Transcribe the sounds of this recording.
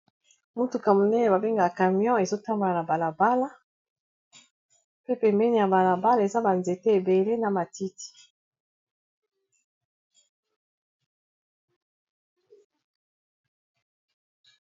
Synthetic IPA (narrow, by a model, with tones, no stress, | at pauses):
mu˦tu˨ka˨mu˨nɛ˦ne˨ba˨be˦ŋɡa˨ka˨mjɔ̃˦e˨zo˦ta˦mbo˨la˨na˨ba˨la˨ba˦la˦ | pe˦pɛ˨mbɛ˦ni˨ja˨ba˨la˨ba˦la˦˨e˨za˦ba˨nze˨te˦e˨be˨le˦na˨ma˨ti˦ti̥˨